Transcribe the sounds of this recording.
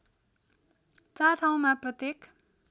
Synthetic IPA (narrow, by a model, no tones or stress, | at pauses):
t͡sart̪ʰaw̃maprʌt̪jek